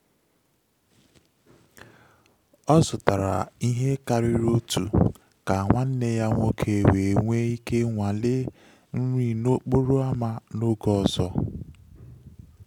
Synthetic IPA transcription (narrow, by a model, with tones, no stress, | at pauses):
ɔ˦zʊ˨ta˨ɾa̰˨i˦ɦe˦ka˨ɾɪ˦ɾo˦tṵ˨ | ka˨ŋʷa˦n̩˦ne˦ja˦ŋʷo˦kʰe˨we˨ŋʷe˦i˦ke˦ŋʷa˨lɪ˦ | n̩˦ɾʷi˨no˦k͡po˦ɾo˦a˦ma˦no˦ɡɔ˦˨zɔ˦